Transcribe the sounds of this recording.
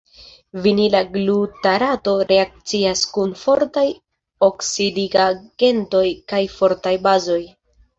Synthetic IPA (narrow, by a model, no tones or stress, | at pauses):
vinilaɡlutaɾato̞ɾe̞ak̚t͡siaskunfo̞ɾtaj | oksidiɡaɡ̥e̞nto̞jkajfo̞ɾtajbazo̞j